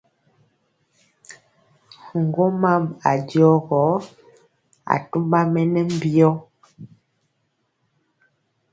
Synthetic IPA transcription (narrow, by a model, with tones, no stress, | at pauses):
hu˨ŋ˨ɡo˦ma˦ma̰˨djɔ˦ɣɔ˨˦ | a̰˨tu˦mba˦mɛ˦nɛ˦m˦bjɔ˦